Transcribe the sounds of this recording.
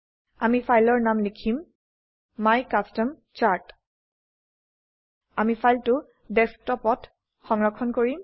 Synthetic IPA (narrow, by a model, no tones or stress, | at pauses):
amifʰajlɔɹnamlikʰimː | ajkastɔm | t͡ʃaɹt | amifʰajltʊ | dɛstɔpɔt | xɔŋɹɔkʰɔnkoɹim